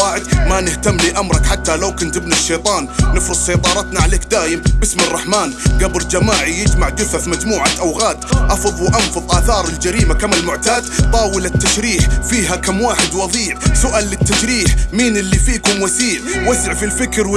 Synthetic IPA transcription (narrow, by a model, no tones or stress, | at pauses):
aːʕɪd̪manɪht̪amːliːʔamɾˤɑkħat̪ːalawkɪnt̪ɪbnaʃːeːt̪ˤɑːnːɪfɾɨd̪ʃɑjt̪ˤɑːɾˤɑt̪naʕaleːkd̪aːjɪmbɪsmɪrˤːɑħmaːnɡabɾd͡ʒamaːʕijɪd͡ʒmaʕd̪ʊfaθmad͡ʒmuːʕat̪ʔawɣaːd̪ʔɑfɨðˤwʔɑnfʊðˤʔaːθɑːɾˤɪld͡ʒaɾiːmakamɪlmʊʕt̪aːd̪t̪ˤɑːwɪlɪt̪ːaʃɾiːħfiːɦakamːwaːħɪd̪wɑðˤiːʕsʊʔaːlːɪt̪ːaʃɾiːħmiːnɪlːifiːkʊmwasiːʕwasɪʕfilfɪkɾwɪ